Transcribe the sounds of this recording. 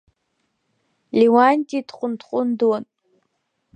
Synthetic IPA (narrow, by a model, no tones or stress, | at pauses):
liwanʲtʼitχʷʼʊntʰχʷʼʊndwan